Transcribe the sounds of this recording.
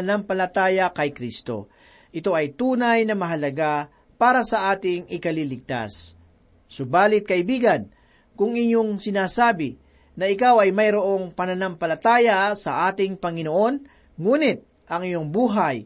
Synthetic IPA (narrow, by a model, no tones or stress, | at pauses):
nampɐlɐt̪aːjɐkɐjkɾist̪o̞̰ | ʔɪt̪o̞ʔɐjt̪uːnajnɐmɐɦɐlɐɡa | paːɾɐsɐʔaːt̪ɪŋɪkɐliːlɪɡ̚t̪a̰sː | ʊbaːlɪt̪̚kɐʔɪbiːɡɐn | kʊŋɪɲo̞ŋsɪnaːsaːbɪ | nɐʔɪkawɐjmɐjɾoʔo̞ŋpɐnɐnɐmpɐlɐt̪aːjɐsɐʔaːt̪ɪŋpɐŋɪnoʔo̞n | ŋuːnɪt̪̚ | ʔɐŋɪɲo̞ŋbuːɦaj